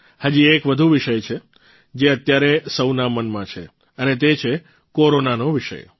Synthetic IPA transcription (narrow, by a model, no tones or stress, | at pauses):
had͡ʒiekʋəd̪ʱuʋiʃəjt͡ʃʰe | d͡ʒeət̪jaɾesəwnamənmãt͡ʃʰḛ | ənet̪et͡ʃʰe | koɾonanoʋiʃə̰j